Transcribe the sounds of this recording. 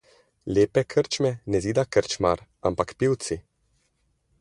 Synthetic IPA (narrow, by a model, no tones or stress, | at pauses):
leːpɛkʰəɾt͡ʃmɛnɛziːd̪akəɾt͡ʃma̰ɾampakpiwt̪si